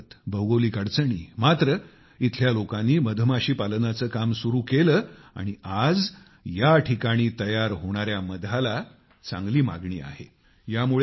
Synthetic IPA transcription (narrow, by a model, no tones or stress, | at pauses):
t̪bʱəwɡoliːkəɽt͡səɳ̃ḭːmat̪ɾə | it̪ʰljalokãnːiːməd̪ʱəmaɕiːpalənat͡səːkamsuɾuːkeləːa̰ɽ̃iad͡z | jaʈʰikaɽ̃iːt̪əjaɾɦoɽ̃aɾjaməd̪ʱala | t͡sã̰ŋɡliːma̰ɡɳḭːa̰ɦe | jamuɭ